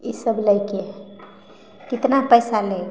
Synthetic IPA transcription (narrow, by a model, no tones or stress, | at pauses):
isəbləjke | kit̪napəjsale